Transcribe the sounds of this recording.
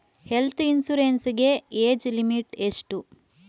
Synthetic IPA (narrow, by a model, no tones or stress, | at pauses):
helt̪ʰinsuɾensiɡe̞eːd͡ʒlimiʈeʂʈu